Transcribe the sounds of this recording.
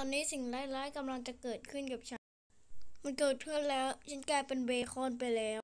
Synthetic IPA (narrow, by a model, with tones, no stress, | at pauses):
ɔː˧nːiː˦˥si˨˩ŋlaː˦˥˩jlaː˦˥jka˧mla˧ŋt͡ɕa˨˩kɤː˨˩t̪̚kʰɯ˥˩˨nkaː˨˩p̚t͡ɕʰa˦˥ | ma˧nkɤː˨˩t̪̚kʰɯ˥˩ənlɛː˦˥wt͡ɕʰa˦˥nkaː˧jpe˧nweː˧xʰoː˥˩˨npa˧jlɛː˦˥